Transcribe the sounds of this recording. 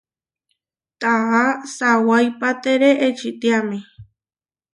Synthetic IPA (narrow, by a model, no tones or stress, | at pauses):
t̪ahasawajpat̪eɾeʔet͡ʃit̪iamĩ